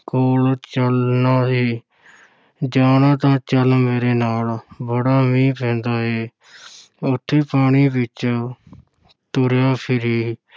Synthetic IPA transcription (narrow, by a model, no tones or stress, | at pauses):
koːlt͡ʃəlnãːɦiː | d͡ʒaːnãːt̪ãːt͡ʃəlmeːɾeːnaːlbəɽaːmĩːpɛ̃ːnd̪aːɦeː | ʊt̪ʰːeːpaːɽ̃iːbɪt͡ʃ | t̪ʊɾjãːpʰɪɾiː